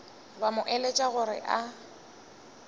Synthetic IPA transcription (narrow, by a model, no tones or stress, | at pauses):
bamʊʔɛlet͡ʃʼaɣʊɾɪ̰ʔa